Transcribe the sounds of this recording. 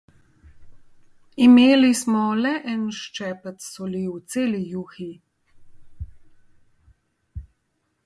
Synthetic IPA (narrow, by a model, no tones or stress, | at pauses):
imeːlismɔlɛʔɛnʃt͡ʃɛːpət̪sɔliwt̪seːlijuːxi